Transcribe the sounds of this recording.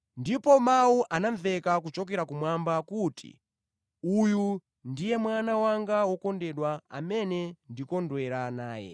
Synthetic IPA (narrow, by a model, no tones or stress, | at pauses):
ndipɔmawuʔanaɱvɛkakut͡ʃɔk̬ɛɾakumwambakutʰḭ | uju | ndijɛmwanawaŋɡawɔkɔndɛɗwaa̰mɛnɛndikɔndwɛɾanaːjɛ̰